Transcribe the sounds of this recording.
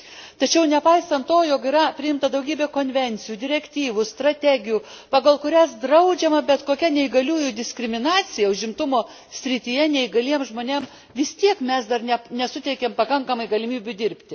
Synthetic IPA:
t̪ɐt͡ʃʲɛʊnʲɛpɐɪsɐnt̪toːjoːkiːɾɐpʲɾʲɪɪmt̪ɐd̪ɐʊɡʲiːbʲeːkoːnʲʋʲɛnʲt̪sʲɪjuːd̪ʲɪɾʲɛkʲt̪ʲiːʋʊst̪ɾɐt̪ʲæɡʲɪjuːpɑːɡɐlˠkʊɾʲæsd̪ɾɐʊd͡ʒʲɛmɐbʲɛt̪koːkʲɛnʲɛɪɡɐlʲuːjud̪ʲɪsʲkɾʲɪmʲɪnɑːt͡s̪ʲɪjɛʊʒʲɪmt̪ʊmoː | sʲɾʲɪt̪ʲiːjɛnʲɛɪɡɐlʲiɛmʒmoːnʲeːm | ʋʲɪst̪ʲiɛkmʲɛsd̪ɐrnʲɛnʲɛsʊt̪ʲɛɪkʲeːmpɐkɐŋkɐmɐɪɡɐlʲɪmʲiːbʲʊd̪ʲɪɾʲpʲt̪ʲɪ

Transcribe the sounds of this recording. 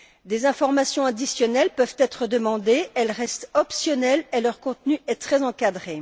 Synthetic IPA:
d̪ezɛ̃fɔʁmasjɔ̃ad̪isjɔnɛlpœvt̪ɛt̪χəd̪əmɑ̃d̪eɛlʁɛst̪ɔpsjɔnɛlelœʁkɔ̃t̪nyɛt̪χɛzɑ̃kad̪ʁe

